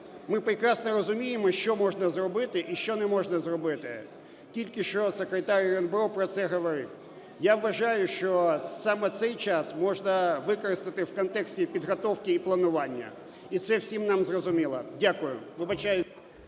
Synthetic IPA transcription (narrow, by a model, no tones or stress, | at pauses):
mɪpɾɪkɾɑsnɔɾɔzʊmʲijemɔʃt͡ʃɔmɔʒnɐzrɔbɪt̪ɪʔiʃt͡ʃɔnɛmɔʒnɐzrɔbɪt̪ɪ̰ | tʲilʲkɪʃt͡ʃɔsekɾet̪aɾʲrɔnbɾɔpɾɔt̪sɛɦɔʋɔɾɪ̰w | jaʋːɐʒɑjʊʃt͡ʃɔsɑmɛt̪sɛjt͡ʃɑsmɔʒnɐʋɪkɔɾɪst̪ɪt̪ɪwkɔnt̪ɛksʲtʲipʲid̪ɦɔt̪ɔwkɪiplˠɐnʊʋɑnʲːɐ̰ | it̪sɛwsʲimnɑmzrɔzʊmʲilˠɐ̰dʲakʊjʊ̰ʋɪbɐt͡ʃajɪ